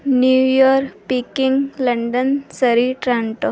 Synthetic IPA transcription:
njuːjoːɾpikiŋɡlɐɳɖənsɐɾiʈɾãːɳʈo

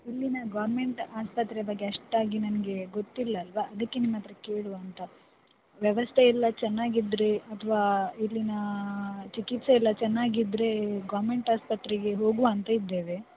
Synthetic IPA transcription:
ilːinɐɡaːɾme̞ɳʈaːspɐt̪ːɾɛɐbɐɡːeɐʂʈaːɡinɐnɐɡe̞ɡot̪ːilːɐːlʋɐʔɐd̪ɐkːenimːɐt̪ɾɐkeːɽuʋɐnt̪ɐ | ʋjɐʋɐst̪ʰeilːɐt͡ʃɛnːaːɡid̪ɾeɐt̪ʰːɐʋaːilːinɐt͡ʃikit̪sɐilːɐt͡ʃɛnːaːɡid̪ɾe̞ɡaːɾme̞ɳʈaːspɐt̪ɾiɡe̞ɦo̞ːɡuɐnt̪ɐid̪ːe̞ːʋe

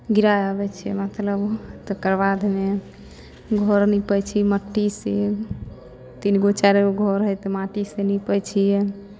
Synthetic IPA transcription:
ɡiɾajəbɛt͡ʃʰɛmət̪ləbt̪əkəɾbad̪ʱme | ɡʱɔɾnɛpəjt͡ʃʰiməʈːisee | t̪inɡot͡ʃaɾeɡʱɔɾɦəjt̪maʈisenipəjt͡ʃʰijɛ

